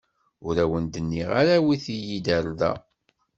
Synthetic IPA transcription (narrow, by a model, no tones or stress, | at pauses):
ʊɾæwənd̪ənːiʁaɾæwiθijid̪æɾðæ̰